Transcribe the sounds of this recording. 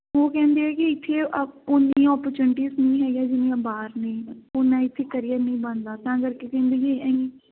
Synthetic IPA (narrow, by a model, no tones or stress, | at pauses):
oːkɛ̃ːnd̪eːɛːkɪɪt̪ʰːeːʔʊnd̪iãːɔːpəɾt͡ʃuːnɪʈiːznĩːɦɛːɡaːd͡ʒɪnẽːãbaːɾnẽːʊnãːɪt̪ʰːeːkəɾijaːnĩːbãnd̪aːt̪ãːəɡəɾkekɛ̃ːnd̪eːd͡ʒeːɛ̃ːɡeː